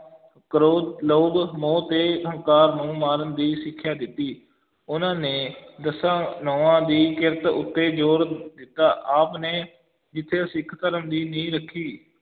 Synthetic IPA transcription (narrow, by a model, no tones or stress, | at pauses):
kəɾoːloːɡmõːt̪eːəŋkaːɾnũːmaːɾənd̪iːsɪkʰːjaːd̪ɪt̪ːiː | ʊnãːneːd̪əsãːnoːãːd̪iːkɪɾət̪ʊ̰t̪ːeːd͡ʒoːɾd̪ɪt̪ːaːʔaːpneː | d͡ʒɪt̪ʰːeːsɪkʰːt̪əɾəmd̪iːnĩːɾəkʰːiː